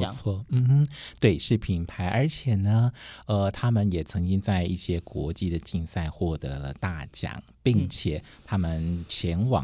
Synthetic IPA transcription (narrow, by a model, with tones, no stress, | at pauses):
t͡sʰwɔ˥˩m̩˥˧˥t̪we˥˩ɪʂɻ̩˥˩pʰi˧˩ŋpʰa˧˥ɪʔə˞˧˥t͡ɕʰjɛ˨˩nə˩ə˧t̪ʰa˥mə˨njɛ˨˩t͡sʰɤ˧˥ŋt͡ɕi˥ŋt͡sa˥˧ɪi˥˩ɕjɛ˥kwɔ̰˧˥t͡ɕi˥˩d̪ə˨t͡ɕi˥˧ŋsa˥˧ɪxwɔ˥˩t̪ɤ̰˧˥lə˧t̪a˥˩t͡ɕjɑ̰˨˩˦ŋpi˥˩ŋt͡ɕʰjɛ˨˩˦ | t̪ʰa˥mə˨nt͡ɕʰjɛ˧˥nwɑ̰˨˩